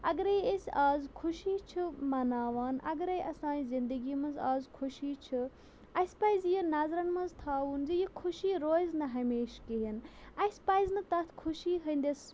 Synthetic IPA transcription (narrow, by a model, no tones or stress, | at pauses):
ɐɡɐɾejesʲaːzkʰuʃiːt͡ʃʰɨmɐnaːʋaːnɐ̰ɡɐɾejɐsãːizind̪əɡiːmɐnzaːzkʰuʃiːt͡ʃʰɨ | ɐspajzjinaːzɾɐnmɐnzt̪ʰaːʋund͡ʒijikʰuʃiːɾoːznɐɦɐmeːʃkeɦinɐspaːjznɐt̪ɐt̪ʰkʰuʃiːɦɐnd̪ɐs